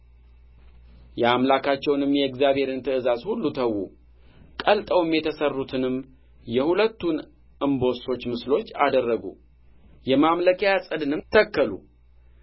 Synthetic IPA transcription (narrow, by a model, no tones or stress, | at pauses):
jɛamlakʰat͡ʃːɛwnɨmjɛkzjaβhe̞ɾɨnt̪ʰɨɨzazhulːut̪ʰəwːṵ | kʼəlt̪ʼəwɨmjɛt̪ʰəsərːut̪ʰɨnɨm | jɛhulət̪ːun | ʔɨmbo̞so̞t͡ʃːmɨslo̞t͡ʃːad̪ərːəɡṵ | jɛmamləkʰəjasʼɨd̪ɨnɨmt̪ʰəkːəlṵ